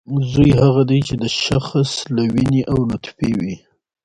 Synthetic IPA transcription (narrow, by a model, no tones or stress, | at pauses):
zujɦaɣad̪ajt͡ʃed̪əʃaxslawiniʔawnʊt̪fiwi